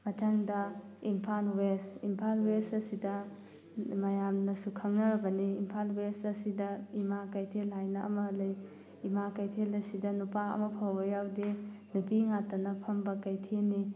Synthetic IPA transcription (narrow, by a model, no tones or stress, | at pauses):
mɐtʰaŋdɐ | impʰanwesimpʰalwesɐsidɐ | mɐjamnɐsukʰɐŋnɐɾɐbɐniːmpʰalwesɐsidɐimakajtʰelɦajnɐɐ̰mɐlɐj | imakajtʰelɐsidɐnupaɐ̰mɐpʰawbɐjawdenubiŋatɐnɐpʰɐmbɐkajtʰenːi